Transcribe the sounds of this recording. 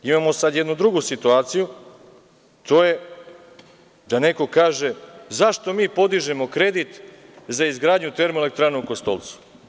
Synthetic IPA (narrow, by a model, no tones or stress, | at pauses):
imamo̞sad̪jd̪nud̪ɾuɡusit̪uaːt̪siju | t̪o̞ːje̞ | d̪ane̞ko̞kaːʒe̞zaʃt̪o̞miːpo̞d̪iʒemo̞kɾe̞d̪it̪zaizɡɾaːd̪ɲut̪e̞ɾmoelek̚t̪ɾaːneuko̞st̪o̞̰lˠt̪su̥